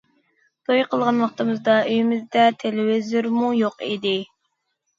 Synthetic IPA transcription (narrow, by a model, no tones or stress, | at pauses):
d̪ʰojqʰəlˠʁɑnwɑχt̪ɨmɨzd̪ɑøjimɪzd̪ɛt̪ʰelɪwɪzyɾmujoqḭd̪ɪ